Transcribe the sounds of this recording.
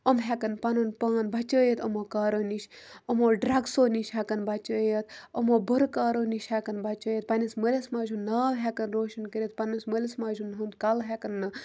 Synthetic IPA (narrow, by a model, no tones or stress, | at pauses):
əmɦekɐnpɐnonpaːnbʱɐt͡ʃəːjet̪ɐmoːkaːɾoːniʃəmoːɖɾɐɡsoːniʃɦakɐnbʱɐt͡ʃəːjɐt̪ɐmoːbəɾkaːɾoːniʃhekɐnbʱɐt͡ʃəːjet̪̚pɐnisməlʲesmaːd͡ʒunːaːʋɦekɐnɾoːʃɐnkəɾʲit̪̚pɐnɨsməlʲɐsmaːd͡ʒunːɦund̪kɐlɦekɐnːɨ